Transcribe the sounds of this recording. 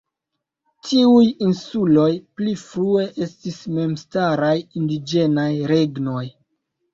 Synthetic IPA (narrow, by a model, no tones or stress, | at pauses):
tʰiujinsulo̞jplifɾue̞ʔe̞stisme̞mstaɾajindid͡ʒe̞najɾe̞ɡno̞j